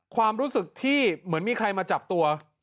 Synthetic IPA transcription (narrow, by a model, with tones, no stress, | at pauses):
kʰwaː˧mɾuː˦˥sɯ˨˩k̚t̪ʰiː˥˩mɯ˩˦ənmiː˧kʰa˧jmaː˧t͡ɕa˨˩p̚t̪u˧ɐ